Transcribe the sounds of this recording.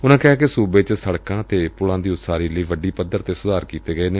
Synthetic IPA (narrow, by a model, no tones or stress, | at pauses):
ʊnãːkɛɦaːkesuːbeːt͡ʃsəɽkãːt̪eːpʊɽãːd̪iːʊt̪saːɾiːləiːʋəɖiːpəd̪ːəɾt̪eːsʊd̪ʱaːɾkiːt̪eːɡəeːneː